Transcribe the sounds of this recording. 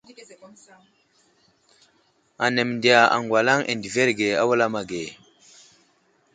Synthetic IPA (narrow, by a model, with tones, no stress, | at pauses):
a˨ne˨m˨ndi˨ja˨a̰˨ŋɡwa˨la˦ŋʔḛ˨ndi˨ve˦ɾɡe˨a˦wa˦la˦ma˨ɡe˨